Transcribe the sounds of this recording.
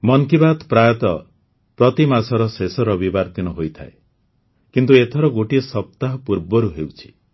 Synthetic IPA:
mɔŋkibat̪pɾajɔt̪ɔ | pɾɔt̪imasɔɾɔsesɔɾɔbibaɾt̪inɔɦojt̪ʰa̰e | kint̪uet̪ʰɔɾɔɡoʈiɔsɔp̚t̪aɦɔpuɾbɔɾuɦewt͡ʃʰi̥

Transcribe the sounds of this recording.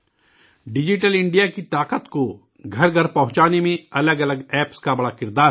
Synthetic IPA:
ɖɪd͡ʒɪʈəlɪ̃ɳɖijakit̪aːqət̪ko | ɡʱɐɾɡʱɐɾpɐɦʊ̃t͡ʃaːnemẽɐləɡɐləɡɛːpskabɐɽakɪɾd̪aː

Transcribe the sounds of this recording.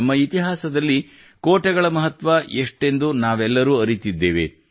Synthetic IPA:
mːɐit̪iɦaːsɐd̪ɐlːi | koːʈɐɡɐɭɐmɐɦɐt̪ʋɐʔeʂʈe̞nd̪unaːʋɛlːɐɾuːɐɾit̪id̪ːeːʋḛ

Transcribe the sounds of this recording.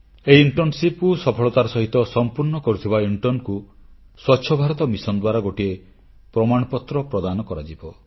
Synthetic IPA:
eiiɳʈɔnsipkusɔpʰɔɭɔt̪aɾɔsɔɦit̪ɔsɔmpuɾɳɔkɔɾut̪ʰibauɳʈɔnku | swɔtːʃʰɔbʱaɾɔt̪ɔmisɔnd̪waɾaɡoʈie | pɾɔmaɽ̃ɔpɔt̪ɾɔpɾɔd̪anɔkɔɾad͡ʒibɔ

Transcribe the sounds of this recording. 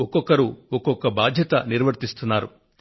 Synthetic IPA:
ɔkɔkɐɾuɔkɔkɐbaːd̪ʱjɐt̪ɐniɾʋɐɾt̪ist̪unːaːɾu

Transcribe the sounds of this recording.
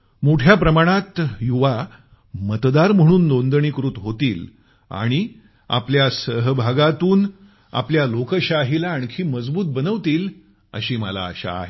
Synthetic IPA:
moʈʰjapɾəmaɽ̃at̪juʋa | mət̪d̪aɾm̤əɽ̃uːnlond̪ɳ̃ikɾut̪ɦot̪iːl | a̰ɽ̃i | a̰pljasəɦbʱaɡat̪uːn | a̰pljalokəɕaɦilaːɳkʰiːməd͡zbuːt̪̚bənəʋt̪iːl | ə̰ɕiːməla̰ːɕa̰ːɦe

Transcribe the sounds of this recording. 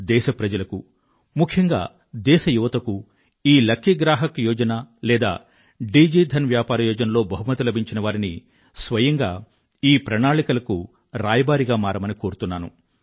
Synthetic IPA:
d̪ɛːʃɐpɾɐd͡ʒɐlɐku | mukʰjɐŋɡa̰ː | d̪ɛːʃɐjuʋɐt̪ɐku | iːlɐkʰːiɡɾaːɦɐkjɔːd͡ʒɐnalɛːd̪a̰ː | ɖiːd͡ʒiːd̪ʱɐnʋjaːpaːɾɐjɔːd͡ʒɐnɐlo̞ːbɐɦumɐt̪ɐlɐbʱiɲt͡ʃinɐʋaːɾini | sʋɐjɐŋɡa̰ː | iːpɾɐɳaːɭikɐlɐku | ɾaːjɐbaːɾiɡaːmaːɾɐmɐnikoːɾut̪unːaːnṵ

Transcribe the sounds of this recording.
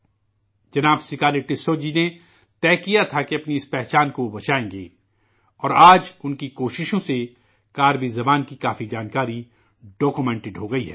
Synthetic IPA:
d͡ʒɐnaːbsɪkaːlɪʈɪsoːd͡ʒine | t̪ɛːkijat̪ʰakeɐpniɪspɛɦt͡ʃaːnkoobɐt͡ʃaːẽːɡḛː | ɔːɾaːd͡ʒʊnkikoːʃɪʃõse | kaːɾbizɐbaːnkikaːfid͡ʒaːnkaːɾi | ɖɔːkumɛ̃ːɳʈɪɖɦoːɡɐiɦɛ̰ː

